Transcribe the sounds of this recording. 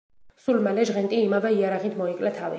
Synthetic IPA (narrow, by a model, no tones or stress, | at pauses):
sulmalɛʒʁɛnt̪ʼiːmavɛiaɾaʁit̪ʰmɔikʼlɛt̪ʰavi